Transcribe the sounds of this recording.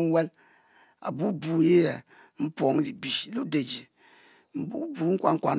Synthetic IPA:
we˦l | a̰˨bu˦bu˨˦je˦jɛ˨ | m̩˦po˨ŋ˦li˨bi˨ʃlu˦de˨d͡ʒi˨ | m̩˦bu˦bu˨˦ŋ̩˦kʷa˨ŋ̩˦kʷa̰˨n

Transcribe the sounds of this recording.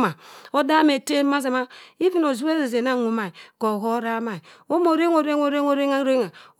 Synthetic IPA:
ma˨o˦da˦me˨te˦ma˦za˨ma˦i˦vi˦no˨zu˦we˦ze˨ze˨na˦˨ŋu˨ma˨i˨ko˨ɣo˦ɾa˦ma˨i˨o˦mo˨ɾe˦ŋo˨ɾe˦ŋo˨ɾe˦ŋo˨ɾe˦a˦ɾe˦ŋa˨

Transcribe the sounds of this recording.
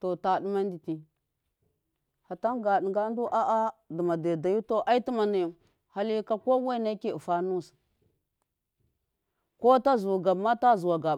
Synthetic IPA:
to˨ta˨di˦ma˦n˦di˨ti˨ | ha˨ta˦nɡa˨ɗi˨ŋɡa˦n˦du˦ʔa˦ʔa˦də˨ma˨de˨da˨ju˦to˦ʔa˦i˦ti˦ma˨na˨ju˨ | ha˨li˦ka˦ko˦we˦na˦ki˦˨fa˨nu˦˨s | ko˦ta˦zu˨ɡa˨bma˦ta˦zu˨wa˨ɡa˨

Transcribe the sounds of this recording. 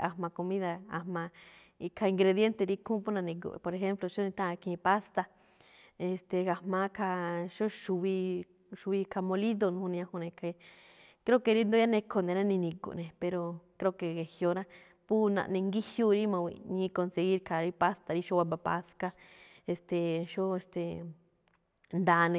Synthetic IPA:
a˧mã˧ko˧mĩ˦ða˧a̰˧mã˧ | i˧kʰa˧i˧ŋɡɾe˧ðje˦nt̪e˧ɾi˦kʰũ˦pu˦nã˧nĩ˧k̬ṵ˧˨˧po˧ɾe˧xe˦mplo˧ʃo˦nĩ˧t̪ã˦˧kĩ˧ĩ˧pa˦st̪a˧ | e˧st̪e˨ɣa˧mã˧˦kʰa˧ʃo˦ʃu˧βi˧ | ʃu˧βi˧kʰa˧mõ˧li˦ðo˧nũ˧hũ˧nĩ˧ã˧hũ˧nẽ˧kʰe˧ | kɾe˦ke˧ɾi˦nd̪o˧˦a˦nẽ˧kʰo˧nẽ˨ɾã˦nĩ˧nĩ˧kṵ˨nẽ˨pe˧ɾo˧kɾe˦˧˦ke˧ɣe˨hjo˧ɾã˦ | pu˦nã̰˧ʔnẽ˧ŋɡi˦hju˦ɾi˦mã˧wḭ˨˧nĩ˧ko˧nse˧ɣi˦ɾkʰa˨ɾi˦pa˦st̪a˧ɾi˦ʃo˦wa˧ma˧pa˧ska˧ | e˧st̪e˨ʃo˦e˧st̪e˨ | nd̪aː˧nẽ˧

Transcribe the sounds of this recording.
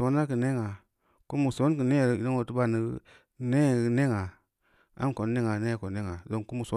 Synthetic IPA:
o˨˦na˦kə˨ne˦ŋa˨ | ku˦mu˨so˨˦n˦k̬ɨ˨ne˦˨ɾi˨do˦ŋo˨tu˦ba˦˨ni˦ | ne˦˨˦ne˦ŋa˨ | a̰˦mko˨n˦ne˦ŋa˨ne˦˨ko˨ne˦ŋa˨zo˨ku˦mu˨so˨˦

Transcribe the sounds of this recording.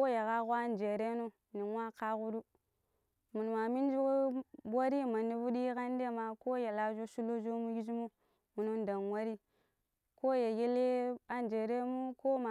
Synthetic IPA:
o˦ja˨ɣa˦ɣo˦a˦nd͡ʒe˨ɾe˦nu˦ | ni˨ŋwa˦ka˦ɣu˦du˦ | mu˨n˨ma˨mi˦n˦d͡ʒu˦bʷa˦ɾi˦ma˨ni˦vu˦di˦ka˦n˦de˦˨ma˨ko˦ja˨la˦d͡ʒo˦ʃu˦lo˦d͡ʒo˦mu˦ji˦d͡ʒmu˦ | mu˨no˦nda˨n˨wa˦ɾi˦ | ko˦ja˨ɡe˦le˦a˦nd͡ʒe˨ɾe˦mu˦ko˦ma˨

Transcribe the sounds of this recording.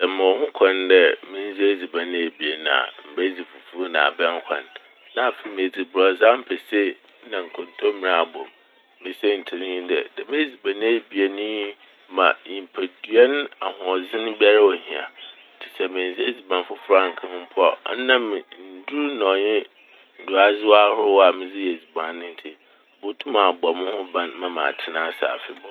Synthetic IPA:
sɛ˨mɪ̃˨ɔ˨hʊ̃˦kʰã˨n˦dɛ˦mɪ̃˨˦n˦zi˦e˦d͡zi˨bã˨ñ˦e˨bi˨e˨nã˨a̰˨m̩˨bæ˦d͡zi˨fu˨fu˦nã̰˨a̰˨bɛ̃˦ŋ˦kʷʰã̰˨n | nã˦˨fe˨mɪ̃˨d͡zi˨bɾɔ˨za˦m̩˦pʰɛ˨sɪ˦ | nã˨ŋ̩˨kʰɔ̃˨ntʰo˦mɪ̃˦˨ñ˨a˨bɔ̰̃˨m | mɪ̃˨sɛ˦n̩˨tʰi˨ɾĩ˦ɲ̃˦dɛ̰˨dɛ˨mẽ˦d͡zi˨bã˨nɪ̃˦e˦˨bi˨e˨nĩ˦ | mã̰˨ɲi˨m˨pʰæ˨dɥɛ˦ñ˦a˨hʊ̃˨ɔ˨zɪ̃˦nʊ̃˦bi˦a˦ɾa˦wɔ˨hĩ˨a̰˨˦ | tʰɪ̥˨sɛ˨mɪ̃˨n˨zi˦e˦˨zi˨bã˨n˦fʊ˦fʊ˦ɾã˦˨ŋ̩˨kʰɪ̃˦n˦m̩˦pʰʊ˦ɔ̰˨˦nã˦mɪ̃˨n̩˨du˦ɾnɔ̃˨ɲɪ̃˦ | n̩˨dʊ˨a˦zɪ˦wa˦hʊ˦ɾʊ˦wa˨mɪ̃˦d͡zɪ˦jɛ˨d͡zi˨bã˨nː˦ɪ̃˦n̩˦tʰɪ˦ | bo˦tʰũ˦mã˨bɔ˨mʊ̃˦hʊ̃˦bã˦nmã˨mã̰˨tʰɪ˨nãː˦sa̰ː˨fɪ˦bɔ˦

